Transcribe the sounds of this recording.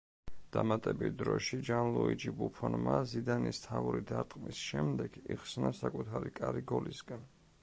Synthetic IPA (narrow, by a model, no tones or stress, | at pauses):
d̪̥amat̪ʼɛbit̪̚ʰd̪ɾɔʃid͡ʒanlˠuid͡ʒibupʰɔnmazid̪anist̪ʰauɾid̪aɾt̪ʼqʼmisʃɛmd̪ɛɡ̥iχsnasakʼut̪ʰaɾikʼaɾiɡɔlisɡan